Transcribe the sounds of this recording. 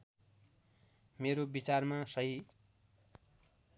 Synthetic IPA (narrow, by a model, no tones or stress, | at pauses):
meɾobit͡sarmasʌɦi